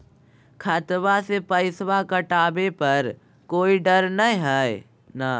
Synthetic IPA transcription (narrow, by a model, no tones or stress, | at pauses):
kʰət̪basepəɪswakəʈaːbepəɾ | koːiɖəɾnə̃ɦɛe | na